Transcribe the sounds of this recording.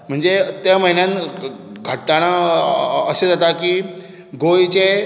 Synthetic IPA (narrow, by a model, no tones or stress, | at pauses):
m̤əɳd͡zet̪jaməɦinjãn | ɡʱəʈːaɽ̃a | əsed͡zat̪akiː | ɡojt͡ɕe